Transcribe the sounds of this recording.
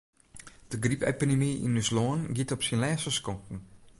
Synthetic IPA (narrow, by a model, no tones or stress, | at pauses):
d̥əɡripḛpidemiḭnːysloːnɡitɔpsinlɛːsəskɔŋkn̩